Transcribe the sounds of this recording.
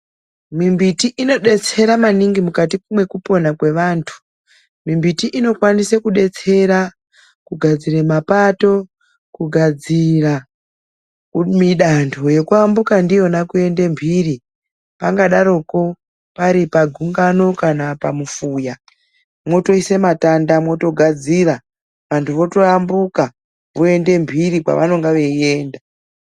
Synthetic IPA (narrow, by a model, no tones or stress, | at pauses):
mimbitiʔino̞ɗe̞t͡se̞ɾamaniŋɡimukatikumwe̞kupo̞nakwe̞ʋaːntʰu̥ | mimbitiʔino̞kwanisekuɗe̞t͡se̞ɾa | kuɡʱad͡ziremapato̞ | kuɡʱad͡zira | miɗantʰo̞je̞kuambukandijo̞nakue̞nde̞mbʱiri | paŋɡaɗaɾo̞ko̞ | paɾipaɡʱuŋɡano̞kanapamufuːja | mwo̞to̞ise̞matandamwo̞to̞ɡʱad͡zira | ʋantʰuʋo̞to̞ambuka | ʋoe̞nde̞mbʱirikwa̰ʋa̰no̞ŋɡaʋe̞e̞ːnda